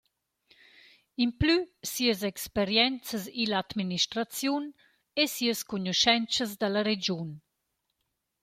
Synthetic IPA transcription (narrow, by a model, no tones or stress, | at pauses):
implysiəz̬ɛkspeɾjɛnt͡səzilad̪miniʃt̪ɾat͡sjun | esiəskuɲuʃɛnt͡səzd̪ələɾed͡ʒun